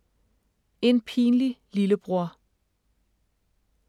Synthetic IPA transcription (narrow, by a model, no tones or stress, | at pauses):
e̝npʰḭːnlililəb̥ʁuɐ̰